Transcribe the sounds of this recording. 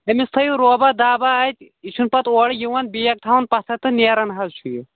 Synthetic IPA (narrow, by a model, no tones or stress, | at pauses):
ɐmist̪ʰɐjuɾoːbad̪aːbaːt̪ʲ | it͡ʃʰunpɐt̪oːɽijiwɐnbijɐk̚t̪ʰawɐnpɐt̪ʰɐt̪ɨneːɾɐnɦɐzt͡ʃʰuj